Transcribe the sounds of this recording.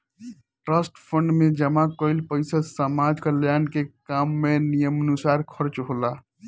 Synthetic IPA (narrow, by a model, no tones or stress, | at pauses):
ʈɾəsʈpʰəɳɖmed͡ʒəmakəjlpəɪsasəmad͡ʒkəljanɖkekamːenijəmənusaɾkʰəɾt͡ʃɦola